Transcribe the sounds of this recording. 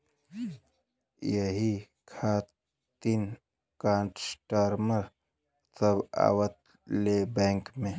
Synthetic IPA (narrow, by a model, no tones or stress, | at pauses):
jɐɦi | kʰaːt̪ | t̪in | kaːɳʈsʈaɾmɐɾ | t̪ɐba̰ːwɐt̪̚ | lebeːŋkmẽ